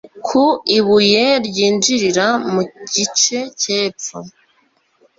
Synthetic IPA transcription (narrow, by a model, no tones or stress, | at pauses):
kʰuiβujeɾɟiːnd͡ʒiɾiɾamuɟit͡ʃe̞ceːpp͡ffo